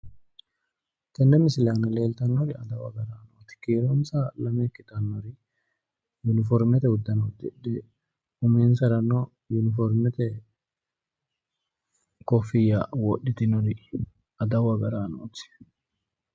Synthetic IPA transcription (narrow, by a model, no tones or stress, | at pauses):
t̪ɛndɛmɪsɪlaːnɐle̞ːlt̪ɐnːɔɾɪɐd̪ɐwɐɡɐɾaːnoːt̪ɪ̥kiːɾonsɐlɐmekːɪt̪ɐnːɔɾɪ | jʊnɪfɔɾmɛt̪ɛhʊd̪ːɐnoːt̪ɪᶑɛ | ʊmeːnsɐɾɐnːo | jʊnɪfɔɾmɛt̪ɛ | kɔfːɪjːawɔɗɪt̪ɪnɔɾɪ | ɐd̪ɐwɐɡɐɾaːnoːt̪ɪ̥